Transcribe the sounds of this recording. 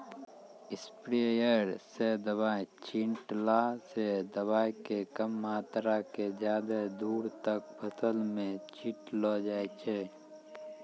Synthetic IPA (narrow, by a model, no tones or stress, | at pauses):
ɪspɾejəɾsed̪əbaːjt͡ʃiɳʈlaːsed̪əbaːjkekəmːaːt̪ɾakezjaːd̪ed̪uːɾt̪ək̚bʰʱət̪əlmẽt͡ʃiʈlod͡ʒaːet͡ʃʰeː